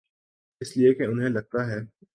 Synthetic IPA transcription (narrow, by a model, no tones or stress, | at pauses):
ɪsliekeʊnɦẽlɐɡ̚t̪aɦɛː